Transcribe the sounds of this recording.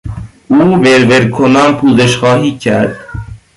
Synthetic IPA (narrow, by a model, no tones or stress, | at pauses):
uːbeɾveɾkʰonɑːnpʰuːzeʃxɑːɦiːcʰæɾd̪